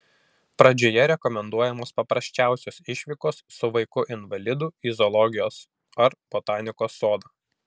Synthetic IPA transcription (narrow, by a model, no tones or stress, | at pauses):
pɾɐd͡ʒʲoːjɛɾʲɛkɔmʲɛnd̪uɔjɛmoːspɐpɾɐsʲt͡ʃʲæˑʊsʲoːsɪʃʲʋʲiːkoːsːʊʋɐɪkʊʔɪnʋɐlʲɪd̪uːizɔlˠɔɡʲɪjoːs | ɐɾb̥ɔt̪ɑːnʲɪkoːsːoːd̪ɑː